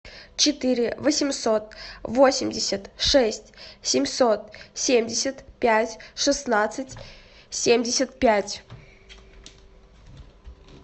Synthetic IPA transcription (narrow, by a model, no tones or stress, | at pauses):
t͡ɕɪt̪ɨɾʲɪvəsʲɪmʲso̞t̪̚vo̞sʲɪmʲdʲɪsʲət̪ʂɛsʲtʲsʲɪmʲso̞t̪sʲemʲdʲɪsʲət̪pʲætʲʂɨsnat̪sɨtʲ | sʲemʲdʲɪsʲət̪̚pʲætʲ